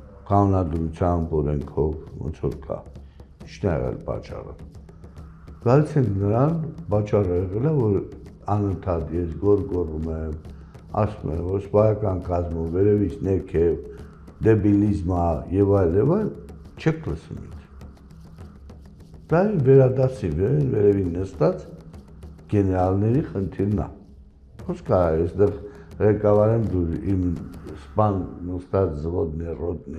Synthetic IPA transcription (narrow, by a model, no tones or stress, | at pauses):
kɑnunɑd̪ɾut͡sʰjɑmbɔɾɛŋkʰɔvvɔ̰nt͡sʰɔɾkʰɑ̰ | it͡ʃʰnɛjɛ̰ʁɛ̰lpɑ̰t͡ʃɑ̰rə̰ | ɡ̥ɑlit͡sʰɛŋkʰnəɾɑnpɑt͡ʃɑrəɛʁɛləvɔɾ | ɑnənt̪ʰɑt̪jɛsɡɔɾɡɔrumɛm | ɑ̰sṵmɛ̰mvɔɾspɑɾɑkɑnkɑzmɔːɛɾɛvit͡sʰnɛɾkʰɛv | d̪ɛbilizməjɛvɑjljɛvɑjl | t͡ʃʰɛkʰləsvṵmḭnkʰ | d̪̥ɑinvɛɾɑd̪ɑt͡sʰinvɛɛnvɛɾɛvinːəst̪ɑt͡s | ɡ̥ɛnɛɾɑlnɛɾiχənt̪ʰiɾnɑ̰ | χɔskʰɑɑɛsd̪ɛʁrɛkɑvɑɾɛnd̪uinspɑnnəst̪ɑt͡szəvɔd̪nɛrɔd̪̚nɛ